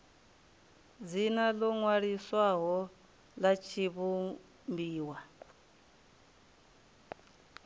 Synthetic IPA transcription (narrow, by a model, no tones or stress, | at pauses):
d͡zinalɔŋwaɺiswaɦɔ | lat͡ʃʰiβu | mbiːwa